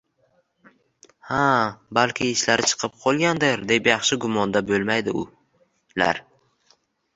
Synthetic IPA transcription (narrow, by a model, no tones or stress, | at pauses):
habalkʲʰɪɪʃlaɾɪt͡ʃʰɨ̥qʰɨp̚qʰɒlˠɡʲand̪ɪɾd̪e̞pjɑχʃɪɡʊmɒnd̪abolmajd̪ɪʊ | la̰ɾ